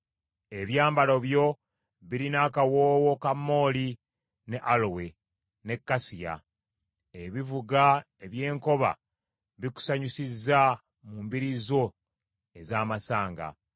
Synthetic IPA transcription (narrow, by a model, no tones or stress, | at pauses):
e̞βjaːmbalo̞βjo̞ | βiɾinakawoːwo̞kamːo̞ːli | ne̞ʔalowe̞ | ne̞kːasija̰ | eβivuɡa | eβje̞ːŋko̞βa̰ | βiku̥saɲusizːa | muːmbiɾizo̞ | ezaːmasaːŋɡa̰